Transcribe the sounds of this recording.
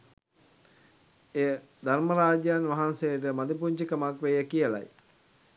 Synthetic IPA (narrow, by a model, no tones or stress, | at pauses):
ejə | d̪ʱarməɾaːd͡ʒjaːnʋaɦansejəʈ̬əmad̪ip̬uɲd͡ʒikəmakʋejəkijəla̰j